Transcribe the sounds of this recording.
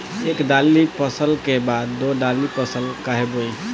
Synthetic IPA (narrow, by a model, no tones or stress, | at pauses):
eːkd̪aːlːipəsəlkebaːd̪ːod̪alipəsəlkaɦeboi